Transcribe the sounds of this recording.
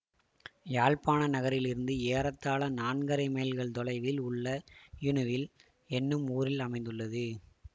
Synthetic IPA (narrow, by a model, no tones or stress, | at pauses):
jaːɻpaːnɐnɐɣɐɾɪlɪɾɯnd̪ɯeːɾɐt̪ːaːlɐnaːɳɡɐɾɐɪmeːlɣɐɭt̪ɔlɐɪʋɪlʊɭːɐjɪɳɯʋɪl | ɛnːɯmuːɾɪlɐmɐɪ̃nd̪ɯɭːɐðɯ